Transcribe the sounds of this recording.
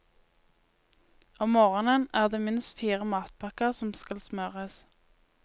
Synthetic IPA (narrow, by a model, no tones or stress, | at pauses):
ʔoːmoːʁənənæːʁd̪eːmɪnsfiːʁəmɑːt̪̚pʰɑkəʁsɔmskɑlsmœʁəs